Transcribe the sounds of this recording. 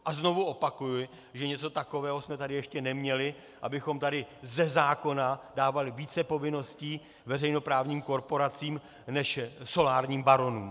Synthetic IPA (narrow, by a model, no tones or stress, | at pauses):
ʔazno̞vuʔo̞pakujʊɪ | ʒɛɲɛt͡so̞t̪ako̞vɛːɦosmɛt̪adɪjɛʃcɛnɛmɲɛlɪ | ʔabɪxo̞mt̪adɪzɛzaːko̞nadaːvalɪviːt͡sɛpo̞vɪno̞sciː | vɛrɛjno̞pɾaːvɲiːmko̞ɾpo̞ɾat͡siːm | nɛʃso̞laːɾɲiːmbaɾo̞nuːm